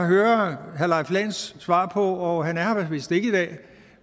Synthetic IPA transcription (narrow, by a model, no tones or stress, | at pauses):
ɑɦøːɐɦælɑ̈ɪflɛːnsːʋɑ̰̈ːpʰɒ̽ɒɦænæɐhɑʋæsʋḭsd̥ee̝ɡəid̥ɛ̰ː